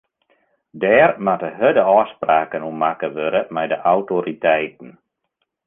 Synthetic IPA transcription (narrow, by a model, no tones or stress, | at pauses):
dɛːrmatəɦədəɔːspraːkənumakəʋøɾəmɛjdəʔawtoɾitɛjt̚ən̩